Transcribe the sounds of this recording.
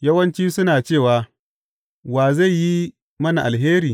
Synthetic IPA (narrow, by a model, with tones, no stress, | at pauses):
jɐ˦wɐ˦nt͡ʃiː˦sʊ˦naː˨t͡ʃeː˦˨waː˨ | waː˨za˦˨jːi˦ | mɐ˦na˨ʔa˨lɦeː˦ɾiː˨